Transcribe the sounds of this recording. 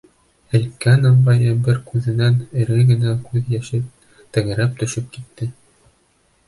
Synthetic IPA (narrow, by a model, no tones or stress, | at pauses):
ɘ̆lʲkːænɑmbɑjɤbɘɾkʉðɘ̆nænɘ̆ɾɡɘɡɘ̆nækʉðjæʃɘ | t̪ɘ̆ŋɘ̆ɾæp̚t̪ɵ̆ʃɘp̚kit̪ːɘ